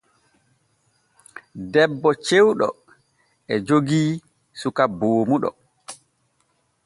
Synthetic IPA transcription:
dɛbːɔt͡ʃewɗɔ̰ | ɛd͡ʒoɡiː | sukaboːmuɗɔ̰

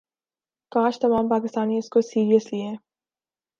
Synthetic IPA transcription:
kaːʃt̪ɐmaːmpaːkɪst̪aːniɪskosiːɾijəslieɦɛː

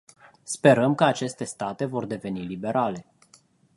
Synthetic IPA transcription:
spe̞ɾəmkəat͡ʃe̞st̪e̞st̪at̪e̞vo̞rd̪e̞ve̞nilibe̞ɾʔale̞

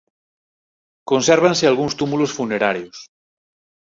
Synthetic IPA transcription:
konseɾβ̞ansealɣunst̪umulosfuneɾaɾjos

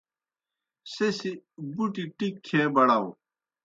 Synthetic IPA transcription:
sesibuʈiʈikʰːẽːbɐɽaw

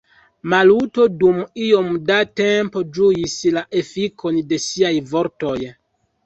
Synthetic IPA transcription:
maluto̞dumio̞mdate̞mpo̞d͡ʒuislaʔe̞fikʰo̞nde̞siajvo̞ɾto̞j

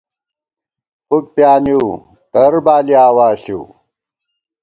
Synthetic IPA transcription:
puk̚pjaːniu | t̪ɐɾbaːliaːwaːɕi

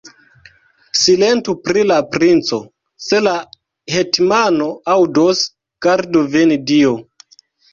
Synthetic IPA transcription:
sile̞ntupɾilapɾint͡so̞ | se̞la | hetmano̞awdos | ɡ̥aɾdovenidio

